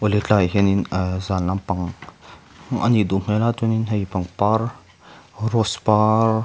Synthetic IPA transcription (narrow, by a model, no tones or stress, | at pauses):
olet͡ɬajɦeninzanːampaŋ | ʔa̰nid̪umelat̪uninɦejpaŋpaɾ | ɾɔspaɾ